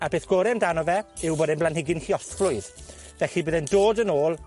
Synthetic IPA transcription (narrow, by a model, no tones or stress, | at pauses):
abeːθɡ̥ɔɾɛmdanɔvɛɪwboːdɛnblanɦɪɡɪnhiɔɬflʊɨð | vɛɬibəðɛndoːdənoːlˠ